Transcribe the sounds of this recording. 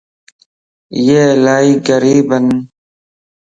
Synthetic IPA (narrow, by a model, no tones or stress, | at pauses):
jeːlaːiɡəɾiːbən